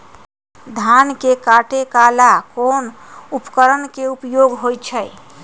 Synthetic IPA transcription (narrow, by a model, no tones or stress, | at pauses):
d̪ʱankekaʈekalakonupkəɾənkeupjoɡɦojt͡ʃʰəj